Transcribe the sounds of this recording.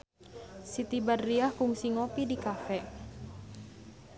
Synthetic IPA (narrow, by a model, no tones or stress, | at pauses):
sit̪ibadːiahfuŋsiŋopidikafɛ